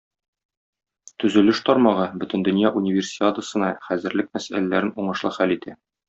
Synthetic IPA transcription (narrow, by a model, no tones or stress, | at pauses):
t̪ɵ̆zɵ̆lɘʃt̪ɒɾmɑʁɤbɵ̆t̪ɘ̆nd̪ɵ̆njɑʔunʲɪvʲersʲiat̪əsɤ̆nɑχæzɘ̆ɾlɘk̚mæsælælæɾɘnuɴɤ̆ʃlˠɤχælit̪æ